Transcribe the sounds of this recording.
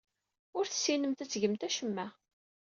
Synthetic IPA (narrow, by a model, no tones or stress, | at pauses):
ʊɾθə̥sːinəmt̪æt͡sːʝəmt̪æʃəmːæ